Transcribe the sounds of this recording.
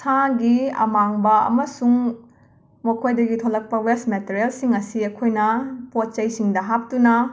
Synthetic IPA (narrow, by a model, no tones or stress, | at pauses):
sʰaɡiɐ̰maŋbɐɐ̰mɐsuŋ | mɐkʰojdɐɡitʰolɐk̚pɐwesmeteɾelsiŋɐsiɐkʰojnɐpot̚t͡ʃɐjsiŋdɐɦap̚tunɐ